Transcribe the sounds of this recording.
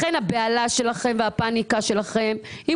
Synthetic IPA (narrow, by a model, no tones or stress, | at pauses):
enhabealaʃe̞laχe̞mveapanikaʃe̞laχemhi